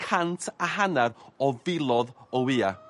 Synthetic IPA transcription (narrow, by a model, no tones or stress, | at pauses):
kʰantʰaɦanaɾɔvɪlˠɔðɔwiːa̰